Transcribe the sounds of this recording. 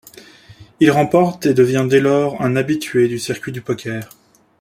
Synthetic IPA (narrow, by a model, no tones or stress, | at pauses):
ilʁɑ̃pɔʁt̪ed̪əvjɛ̃d̪elɔʁɛ̃nabit̪ʰɥed̪ysiʁkʲɥid̪ypɔkʲɛːʁ